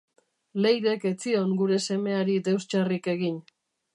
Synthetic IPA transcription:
le̞jɾe̞ke̞t͡sio̞ŋɡuɾe̞se̞me̞aɾid̪e̞wst͡ʃarike̞ɣiɲ

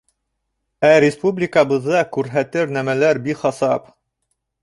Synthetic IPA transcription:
æɾʲɪspublʲɪkəbɤ̆ðːɑkʉɾɦæt̪ɘɾnæmælæɾbikχɑsɑp

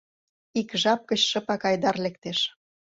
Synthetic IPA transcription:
ikʒɑp̚kə̆ɕʃə̆pɑkɑjd̪ɑrlek̚t̪eʃ

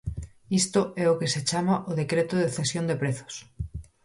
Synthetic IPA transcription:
ist̪oɛokeset͡ʃamaʔoðekɾet̪oðeθesjõnd̪epɾeθo̥s

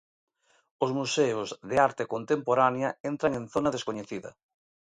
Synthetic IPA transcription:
ʊzmuseʊzðeaɾt̪ekont̪empoɾanjɐent̪ɾaŋẽnθonɐðeskoɲeθiðɐ̰

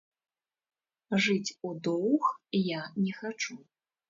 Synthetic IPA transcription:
ʐɨt͡sʲud̪ɔwxjanʲɛxat͡ʂu

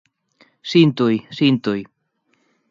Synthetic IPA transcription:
sint̪ujsint̪uj

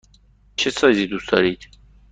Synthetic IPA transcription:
t͡ʃʰesɑjzid̪usd̪ɑɾiːt̪

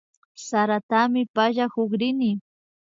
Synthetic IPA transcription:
saɾat̪amɪpaʒahʊχɾɪnɪ

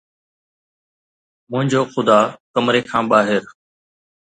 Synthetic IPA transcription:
mʊ̃ɦɪ̃ɲd͡ʑoːxʊd̪aːkəmɾeːkʰãːɓaːɦɪɾ

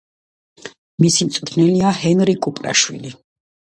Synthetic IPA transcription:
misimt̪sʼt̪ʰnɛliahɛnɾikʼupʼla̰ʃwḭli

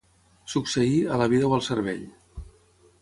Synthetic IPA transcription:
suksəiələβ̞iðəwəlˠsəɾβɛʎ

